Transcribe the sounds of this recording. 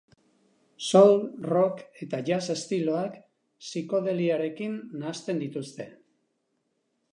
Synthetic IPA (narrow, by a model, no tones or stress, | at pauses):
solro̞ke̞t̪aʝase̞st̪ilo̞ak | siko̞ðe̞liaɾe̞kinːast̪e̞nd̪it̪ust̪e̞